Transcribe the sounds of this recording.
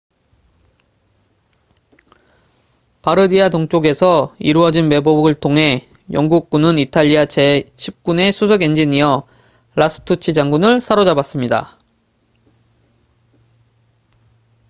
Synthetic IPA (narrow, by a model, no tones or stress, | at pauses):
paɾɯdiatoŋt͡ɕ͈oɡe̞sʰʌiɾuʌd͡ʑinme̞bobɡɯɭtʰoŋɦe̞ | jʌŋɡuk̚k͈unɯnitʰaʎːiat͡ɕe̞ɕʰip̚k͈une̞sʰus̬ʰoɡe̞nd͡ʑiɲiʌ | ɭas͈ʰɯ̥tʰut͡ɕʰid͡ʑaŋɡunɯɭsʰaɾod͡ʑabas͈ɯmɲida̰